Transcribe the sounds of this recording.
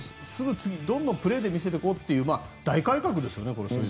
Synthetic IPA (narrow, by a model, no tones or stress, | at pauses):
sɨɡɯ̟t͡sɨɡʲid̪õ̞nd̪ompɯ̟ɾe̞ːd̪e̞mʲis̬e̞t̪eko̞t̪ːe̞jɯ̟ːmaːd̪̥aikaikakɯ̟d̪e̞sɨjo̞neko̞ɾo̞ɕ